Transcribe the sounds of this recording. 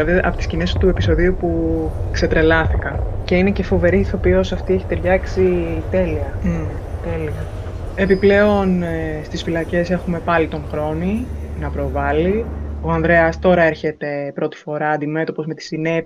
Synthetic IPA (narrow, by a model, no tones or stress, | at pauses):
ɐðiʔɐ̰pot̪iscinest̪ue̞piso̞ðiupukse̞t̪ɾe̞lɐsθi̥kɐnce̞ine̞ce̞fo̞ve̞ɾiθopiosɐft̪ieçi̥t̪eɾʝɐksit̪e̞liɐ | t̪eliɐ | e̞piple̞o̞nst̪isfilɐce̞se̞xume̞pɐlit̪o̞ŋxɾo̞ninɐpɾo̞vɐlio̞ɐnðɾe̞ɐst̪o̞ɾɐe̞ɾçe̞t̪e̞pɾo̞t̪i̥fo̞ɾɐːnd̪ime̞t̪o̞po̞zme̞t̪i̥sine̞p